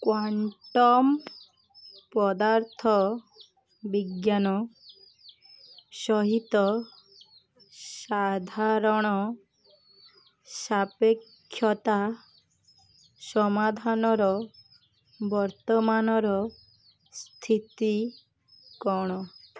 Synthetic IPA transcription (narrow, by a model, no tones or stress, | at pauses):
kwaɳʈɔm | pɔd̪aɾt̪ʰɔ | biɡjanɔ | sɔɦit̪ɔ | sad̪ʱaɾɔɽ̃ɔ | sapekʰːjɔt̪a | sɔmad̪ʱanɔɾɔ | bɔɾt̪ɔmanɔɾɔ | st̪ʰit̪i | kɔɽ̃ɔ